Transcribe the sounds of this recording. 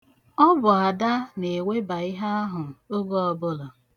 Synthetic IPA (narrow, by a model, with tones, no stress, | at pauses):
ɔ˦bʊ˨a˨da˦ne˨we˦ba˨ɪ˦ɦa˦a˦ɦʊ˨o˦ɡo˦ɔ˨bʊ˦lʊ˨